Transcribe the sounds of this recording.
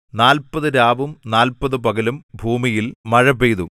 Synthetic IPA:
naːlpɐðɨɾaːbumnaːlpɐðɨbɐɣɐlumbʱuːmijilmɐɻɐbejðṵ

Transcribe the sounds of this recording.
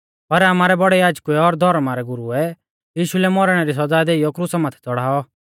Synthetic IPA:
pɐɾamaːɾɛbɔɽɛjaːd͡ʒkuɛɔɾd̪ʱɔɾmaɾɛɡʊɾuɛ | jiːʃulɛmɔɾɽ̃ɛɾis̬ɐd͡zaːd̪eːijɔkɾusamaːt̪ʰɛ̥t͡sɔɽ̤aːɔ

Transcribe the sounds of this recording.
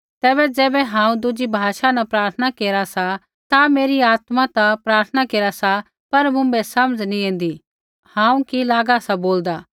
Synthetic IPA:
t̪ɛːbɛd͡ʒɛːbɛɦãːũd̪ʊd͡ʒibʱaːʃanɐpɾaːɾt̪ʰənakeːɾasa | t̪ameːɾiaːt̪mat̪apɾaːɾt̪ʰənakeːɾasa | pɐɾmʊ̃bɛsɐməd͡ʒnĩẽːn̆d̪i | hãːũkilaːɡasaboːld̪aː

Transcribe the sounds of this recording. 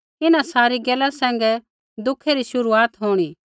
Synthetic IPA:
ɪnãsaːɾiɡɛːlasɛ̃ːŋ̆ɡɛ | d̪ʊkʰeɾiʃʊɾuaːt̪ɦoːɽ̃iː

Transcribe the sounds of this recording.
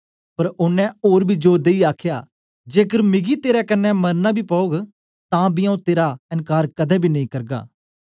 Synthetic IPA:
pəɾʊnːɛ̃oːɾbʱiːd͡ʒoːɾd̪eiːaːkʰjaː | d͡ʒeːkəɾmɪɡiːt̪eːɾɛkənːɛməɾnaːbʱiːpɔoːɡ | t̪ãːbiãũt̪eːɾaənkaːɾkəd̪ɛːbʱiːnɐĩːkəɾɡa̰ː

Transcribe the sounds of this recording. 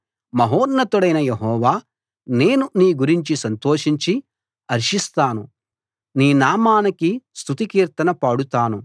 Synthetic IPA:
mɐɦoːɾnɐt̪uɽɐjnɐjeɦɔːʋaː | ne̞ːnuniːɡuɾiɲt͡ʃisɐnt̪oːʂiɲt͡ʃi | ɐɾʂist̪aːnu | niːnaːmaːnɐkist̪ʰut̪ikiːɾt̪ɐnɐpaːɽut̪aːnu

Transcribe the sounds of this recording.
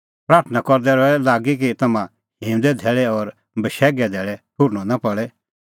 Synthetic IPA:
pɾaːɾt̪ʰnakɔɾd̪ɛɾɔɛlaːɡik̬it̪ɐmã | hĩːmd̪ɛd̪ʱɛːɭɛɔɾ | bəʃɛːɡɛd̪ʱɛːɭɛʈʰʊɾñɔnapɐɭɛ

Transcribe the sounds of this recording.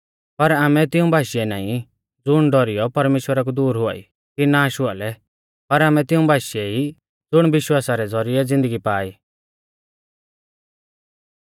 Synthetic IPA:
pɐɾaːmɛt̪ɪũbʱaːʃiɛnaːĩ | d͡zʊɽ̃ɖɔɾijɔpɐɾmeːʃwəɾak̬ud̪uːɾɦʊa̰ːḭ | kinaːʃʊaːlɛ | pɐɾaːmɛ̃t̪ɪũbʱaːʃiɛi | d͡zʊɽ̃bɪʃwaːsaɾɛd͡zɔɾiɛd͡zɪ̃nd̪əɡipaːiː

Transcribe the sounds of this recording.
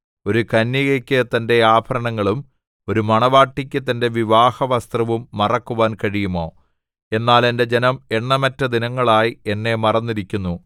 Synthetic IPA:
o̞ɾukɐnːiɣɐkʲːɨt̪ɐnde̞aːbʱɐɾɐɳɐŋːɐɭum | o̞ɾumɐɳɐʋaːʈːikʲːɨt̪ɐnde̞ʋiʋaːhɐʋɐst̪rɐʋumːɐrɐkːuʋaːnkɐɻijumo̞ː | e̞nːaːle̞nde̞d͡ʑe̞nɐme̞ɳːɐmɐtːɐd̪inɐŋːɐɭaːjie̞nːe̞mɐrɐnːiɾikʲːunːu

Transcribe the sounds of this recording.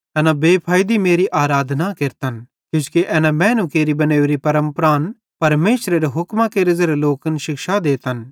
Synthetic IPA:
ɛːnabeːpʰaːjd̪imeːɾiʔaːɾaːd̪ʱnakeɾt̪ən | kjʊ̃skeʔɛːnamɛ̃ːnũkeːɾibɐneːʋɾipɐɾə̃mpɾaːn | pɐɾmeːʃɾeɾeɦʊkmãkeɾɪzəɾeloːkənʃɪkʃad̪eːt̪ən

